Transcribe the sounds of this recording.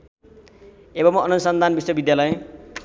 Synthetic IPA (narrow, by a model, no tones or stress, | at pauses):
ebʌmʌnusʌnd̪ʱanbiswʌbid̪jalʌj